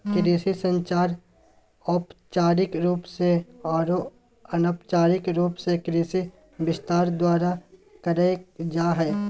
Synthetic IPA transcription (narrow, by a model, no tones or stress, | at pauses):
kɾiːsisə̃nt͡ʃaːɾ | ɔːpt͡ʃaːɾɪkɾuːpseɔːɾo | ɐnəpt͡ʃaːɾɪkɾuːpsekɾiːsi | bɪst̪aːɾd̪waːɾakəɾed͡ʒaːɦɛː